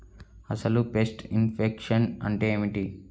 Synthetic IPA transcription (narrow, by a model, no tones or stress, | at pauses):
ɐsɐlupesʈinpʰekʂɐnɐ̰ɳʈeːmiʈi